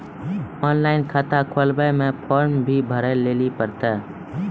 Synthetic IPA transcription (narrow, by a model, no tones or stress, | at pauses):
ɔːnlaːɪnkʰat̪akʰolbəmẽpʰoːɾmbʱibʱəɾɛleːlipəɾt̪ɛː